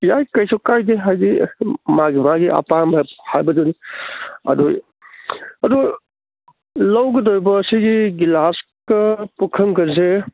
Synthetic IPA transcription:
jajkɐjsʰukajdeɦajɡimaɡimaɡiʔa̰pamhajbɐduni | ɐ̰du | ɐdu | lɐwɡɐdojbɐːsiɡiɡilas | kɐpukʰɐmkɐɾse

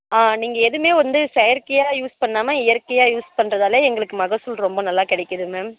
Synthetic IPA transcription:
aːniːŋɡɐɛðɯmeːʋɐnd̪ɯsɛjɐɾkɐjaːjuːspɐɳːaːmaɪjɐɾkɐjaːjuːspɐɳːɾɐðaːleːɛŋɡɐɭɯkːɯmɐɣɐsɯlɾɔmbɐnɐlːaːkɪɽɛɪkːɐðɯmeːm

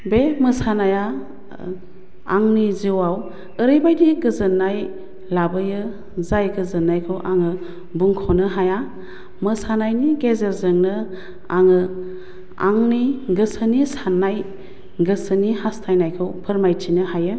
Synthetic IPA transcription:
bemɯsanaja | a̰ŋniziwaw | ɯɾɯjbajdiɡɯzɯnːaj | labɯjɯ | zajɡɯzɯnajkʰɯwʔaŋɯ | buŋkʰɔnɯɦaja | mɯsanajniɡezeɾzɯŋnɯ | a̰ŋɯ | a̰ŋniɡɯsənisanːaj | ɡɯsənihastʰajnajkʰɯwpʰɯɾmajtʰinɯhajɯ

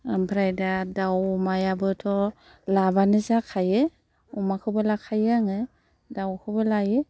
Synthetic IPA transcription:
ampʰɾajdadawmajabɯtʰɔ | labanɯzakʰajɯ | ɔmakʰɯbɯlakʰajaŋɯ | dawkʰɯbɯlajɯ

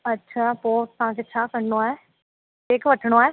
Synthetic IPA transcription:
ɐtːʃʰaːpoːt̪ɐɦãkʰet͡ɕʰaːkɐɾnoaːe | eːkʋɐʈʰəɽ̃oaːɦe

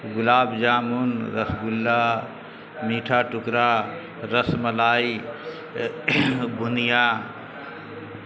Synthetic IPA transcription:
ɡʊlaːbd͡ʒaːmunɾəsɡʊlːa | miːʈʰaʈʊkɾa | ɾəsmɐlaːi | bʱʊnijaː

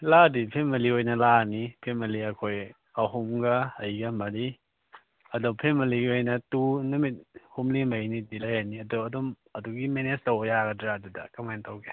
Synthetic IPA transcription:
ladipʰemɐliojnɐlanipʰemɐliɐkʰoj | ɐɦumɡɐɐjɡɐmɐɾi | ɐdɔpʰemɐliɡiojnɐtunumit̚humlimɐjnidilajaniɐdɔɐdɔm | ɐduɡimenestawjaɡɐdɾadudɐ̰kɐmajntawɡe

